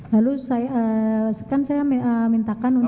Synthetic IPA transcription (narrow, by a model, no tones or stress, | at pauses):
lalusajəskansajamiəmint̪akanun